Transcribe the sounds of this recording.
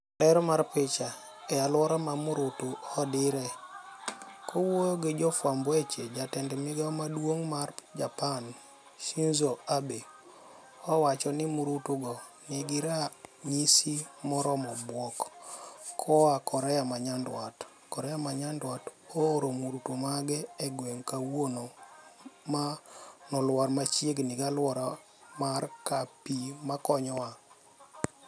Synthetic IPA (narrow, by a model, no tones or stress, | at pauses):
lɛɾɔmaɾpɪt͡ʃa | ɛalwɔɾamamuɾutuɔdɪɾɛ | kʰɔwojoɡed͡ʒɔfwambwet͡ʃed͡ʒatɛndɛmɪɡaɔmadwoŋmard͡ʒapan | ʃinzoabe | ɔwat͡ʃɔnɪmuɾutuɡɔ | niɡɪɾaɲisimɔɾɔmɔbwɔk | kʰɔwakɔɾɛjamaɲandwat | kɔɾɛjamaɲandwatooɾomuɾutomaɡɛɛɡweŋkawwono | manɔlwaɾmat͡ʃjeɡniɡalwɔɾa | markapimakɔɲɔa